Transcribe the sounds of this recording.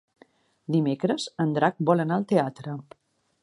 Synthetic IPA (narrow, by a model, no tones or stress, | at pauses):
d̪imekɾəzənd̪ɾak̚bɔlənaəlˠt̪eat̪ɾə